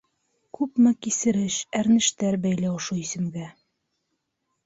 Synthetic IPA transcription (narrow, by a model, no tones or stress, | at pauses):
kʉpmɘkisɘ̆ɾɘʃæɾnɘ̆ʃt̪æɾbæjlæwʃuisɘ̆mɡæ